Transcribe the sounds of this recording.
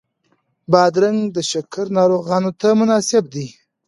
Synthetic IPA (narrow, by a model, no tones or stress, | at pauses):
bɑd̪ɾaŋɡd̪əʃʊkʰəɾnɑɾoɣɑnot̪amʊnɑsɪb̚d̪i